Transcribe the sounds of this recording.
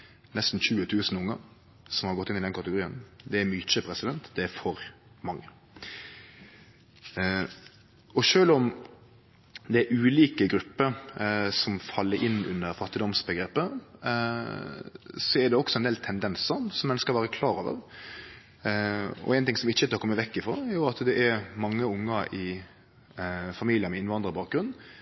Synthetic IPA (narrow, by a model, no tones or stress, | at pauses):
nɛst̪n̩çʉːət̪ʰʉːsən̩ʊŋːə | sɔmhɑɾɡɔt̪ːɪnɪd̪ɛnkʰɑt̪əɡʊɾiːənd̪ɛːɾmyːt͡ʃəpʰɾɛsɪd̪ɛnt̪d̪ɛæɾfɔɾ | mɑŋːə | ɔʃøːlɔm | d̪ɛæɾʔʉːliːkəɡɾʉpːəɾsɔmfɑlːəɾʔɪnːʉ̰nːəɾfɑt̪ːɪd̪ɔmsbəɡɾeːpə | sɔɛd̪ɛɔksɔɛnd̪eːlt̪ʰɛnd̪ɛnsəsɔmːɛnəskəɾʋæːɾəkʰlɑːɾɑːʋə̰ʁ | ɔ̰æɛɪnt̪ɪŋsɔmɪçːəɛt̪ʰɑkʰɔmːəʋɛkːɪfɔɾjʊɾɑt̪d̪ɛʔɛɾmɑŋːəʊŋːəɪ | fɑmiːlɪəmɛɪnʋɑnd̪ɾəbɑːk̚ɡɾʉnː